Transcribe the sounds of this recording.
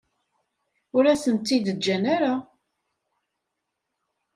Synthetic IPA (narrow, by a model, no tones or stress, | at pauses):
ʊɾæsənt̪ːid̪əd͡ʒːænaɾa